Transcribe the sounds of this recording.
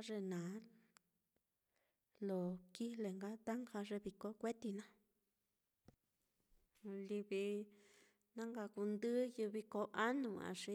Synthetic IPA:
ʐe˧nãː˨˦ | lo˨ki˦˧le˨ŋɡa˦t̪a˦ŋxa˧ʐe˧βi˧˨ko˦kʷe˦t̪i˧nã˦ | li˧βi˧ | nã˦ŋɡa˧ku˧nd̪ɨ˦ju˧βi˧ko˧˦ʔa˦nũ˧ã̰˨˧ʂi˧˦

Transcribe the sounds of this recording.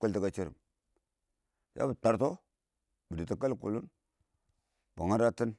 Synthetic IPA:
kə˦lti˦ka˦t͡ʃi˦ɾḭ˨m | ja̰˦bə˨k͡pa˨ɾto˦ | bə˨di˨ti˨ka˦lkṵ˨lu˦n | b̥a˨ŋa˦ɾa˦ti˦n

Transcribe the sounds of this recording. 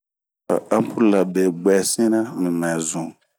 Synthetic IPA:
a̰˨a˦m˦pʰu˦la˨be˨ɡ͡bɛ˨sĩ˦nã˦mĩ˨mɛ̃˨zũ˨

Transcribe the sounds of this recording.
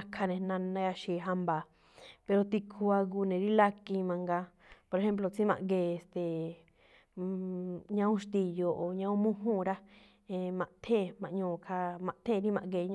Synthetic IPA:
kʰa˧nẽ˧nã˧nã˧˦a˧ʃi˨ɦa˧mba˨ | pe˧ɾo˧t̪i˧kʰu˧a˧ɡu˧nẽ˨ɾi˦la˦kĩ˧mã˧ŋɡa˧ | po˧ɾe˧ẽ˦mp̬lo˧t͡sĩ˦mã̰˧ʔɡeː˧˨e˨st̪e˨ | ɲã˧ũ˦ʃt̪i˧jo˨ʔo˨ɲã˧ũ˦mũ˦ɦũː˦˨˧ɾa˦ | ẽ˧mã˧ʔt̪ʰẽ˦˨mã˧ʔɲõː˧˨kʰa˧mã˧ʔt̪ʰẽ˦˧ɾi˦mã̰˧ʔɡe˧˨ɲ

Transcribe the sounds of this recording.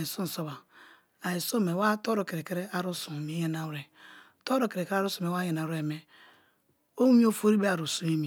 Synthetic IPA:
i˨su˦n̩˨so˦ba˨ | a˨i˨so˦me˨wa˦to˦ɾo˨ke˨ɾe˨ke˦ɾe˦a˨ɾo˦su˨mi˨˦je˦na˨wɾe˨ | to˦ɾo˨ke˨ɾe˨ke˦ɾa˦ɾo˦su˨m˨e˨wa˦je˨na˨ɾe˨me˨ | o˦i˦o˦fo˦ɾi˦be˦a˨ɾu˨su˦mi˦mi˨

